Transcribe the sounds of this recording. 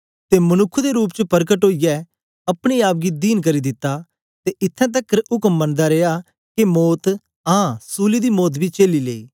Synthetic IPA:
t̪emɐnʊkʰːud̪eɾuːp̬̚t͡ʃəpəɾkəʈoːijɛ | ɐpɽ̃iaːbɡid̪iːnk̬ɐɾid̪ɪt̪ːa | t̪eʔɪt̪ʰːɛ̃t̪̬ɐkːəɾʔʊkəmbə̃nd̪aɾeːa | kimoːt̪ | ãsuːlid̪imoːt̪̬bʱit͡ʃeːlilḛːiː

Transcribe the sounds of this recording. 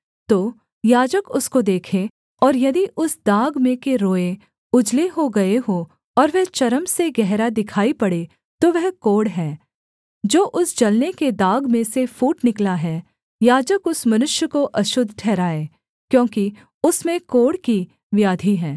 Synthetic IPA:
t̪oː | jaːd͡ʒəkʊskod̪eːkʰe | ɔːɾjɐd̪iʔʊsd̪aːɡmẽkeɾoːe | ʊd͡ʒleɦoɡɐeɦo | ɔːɾʋɛt͡ʃɐɾəmseɡɛɦɾad̪ɪkʰaːipɐɽe | t̪oʋɛɦkoːɽɦɛː | d͡ʒoːʔʊsd͡ʒɐlneked̪aːɡmẽsefuːʈnɪklaɦɛː | jaːd͡ʒəkʊsmɐnʊʃjəkoʔɐʃʊd̪ʱːʈʰɛːɾaːeː | kjõːki | ʊsmẽkoːɽki | ʋjaːd̪ʱiɦɛː

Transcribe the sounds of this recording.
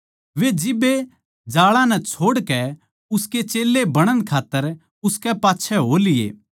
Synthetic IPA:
ʋed͡ʒɪbe | d͡ʒaːɭãnɛt͡ʃʰoːɽkɛ | ʊsket͡ʃeːlːebɐɽ̃ənkʰaːt̪ːəɾ | ʊskɛpaːtːʃʰɛɦoːlɪḛː

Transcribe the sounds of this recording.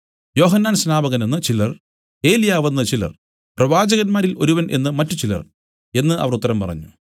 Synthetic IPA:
jo̞ːɦɐnːaːnsnaːbɐɣɐnenːɨt͡ɕilɐr | e̞ːlijaːʋɐnːɨt͡ɕilɐ̰r | prɐʋaːd͡ʑɐɣɐnmaːɾilo̞̰ɾuʋɐnʔe̞̰nːɨmɐtːut͡ɕilɐ̰r | e̞nːɨʔɐ̰ʋɐrut̪ːɐɾɐmpɐ̰rɐ̰ɲːu

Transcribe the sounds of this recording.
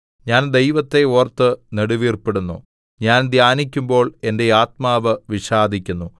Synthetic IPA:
ɲaːnd̪e̞jʋɐt̪ːe̞oːrt̪ːɨneɽuʋiːrpeɽunːṵ | ɲaːnd̪ʱjaːnik̬ʲːumbo̞ːɭe̞nde̞aːt̪̚maːʋɨʋiɕaːd̪ʱikʲːunːu

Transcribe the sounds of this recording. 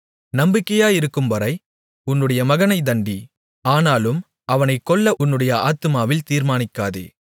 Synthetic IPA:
nɐmbɪkːɐjaːjɪɾɯkːɯmʋɐɾɐɪ | ʊnːɯɽɐjɐmɐɣɐnɐɪd̪ɐɳɖi | aːnaːlɯm | ɐʋɐnɐɪkːɔɭːɐʊnːɯɽɐjɐaːt̪ɯmaːʋɪlt̪iːɾmaːnɪkːaːðḛː

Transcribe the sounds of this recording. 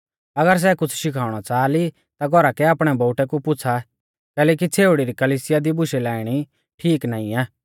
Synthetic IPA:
ɐɡəɾs̬ɛkʊt͡sʰʃɪkʰaːʊɽ̃at͡saːli | t̪aɡʱɔɾakɛaːpɽ̃ɛbɔʊʈɛkupʊt͡sʰa | kɛːlɛːk̬it͡sʰeːʊɽiɾikɐliːsɪjad̪ibʊʃɛlaːɪɽ̃i | ʈʰiːknãːĩɛː

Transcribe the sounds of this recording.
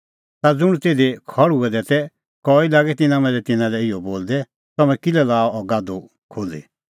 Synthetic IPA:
t̪ad͡zʊɽ̃ut̪eːd̪ekʰɔɽuɛd̪ɛːt̪ɛ | kɔːilaːɡɛt̪ɪnãmɛ̃ːɾɛt̪ɪnãlɛɪjɔboːld̪ɛ | t̪ɐmɛ̃kɪlɛlaːɔɔɡad̪u | kʰoːlḭ

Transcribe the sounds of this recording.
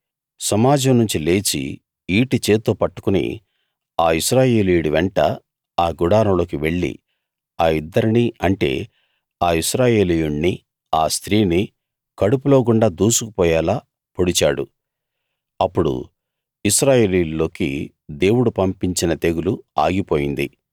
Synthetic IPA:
sɐmaːd͡ʒɐmnuɲt͡ʃile̞ːt͡ʃḭ | iːʈit͡ʃe̞ːt̪ːoːpɐʈːu̥kunḭ | aːiʃɾaːje̞ːlijuɽiʋeɳʈɐ | aːɡuɽaːɾɐmlo̞ːkiʋe̞ɭːḭ | aːid̪ːɐɾiniɐɳʈe̞̰ː | aːiʃɾaːje̞ːlijuɳni | aːst̪ɾiːni | kɐɽupulo̞ːɡ̬uɳɖaːd̪uːsuku̥pɔːjaːlaː | poɽit͡ʃaːɽṵ | ɐpːuɽṵ | iʃɾaːje̞ːlijullo̞ːki | d̪e̞ːwuɽupɐmpiɲt͡ʃinɐt̪e̞ɡuluaːɡipo̞ːjind̪i

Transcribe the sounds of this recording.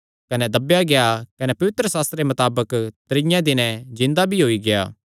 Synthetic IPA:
kɐnɛd̪ɐbjaɡejakɐnɛpɐʋɪt̪ɾəsaːst̪ɾemɐt̪aːbəkt̪ɐɾɪ̃jãd̪ɪnɛ̃d͡ʒɪ̃nd̪abʱiɦoːiɡeja̰ː

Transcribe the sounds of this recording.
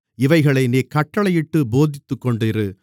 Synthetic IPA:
ɪʋɐɪɣɐɭɐɪniːkɐʈːɐɭɐjɪʈːɯboːðɪt̪ːɯkːɔɳɖɪɾɯ

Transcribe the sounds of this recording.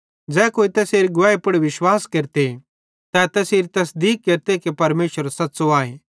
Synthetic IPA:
d͡ʒɛːkoːit̪ɛːseːɾiɡʊaːepʊɽiʋɪʃwaːskeːɾt̪e | t̪ɛt̪ɛseːɾit̪ɐs̬d̪iːkːeːɾt̪ekepɐɾmeːʃəɾsɐt̪ːsoaːẽ

